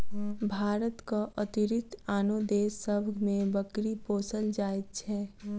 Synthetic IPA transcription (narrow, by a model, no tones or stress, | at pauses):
bʱaːɾət̪kaʔət̪ɪɾɪt̪aːnod̪eːsːəbʱmẽbəkɾipoːsəld͡ʒaːjt̪̚t͡ʃʰɛː